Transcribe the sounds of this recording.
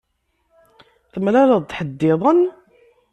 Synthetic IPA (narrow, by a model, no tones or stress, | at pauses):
θəmlæləðˤt̪ħəd̪ːɪðˤən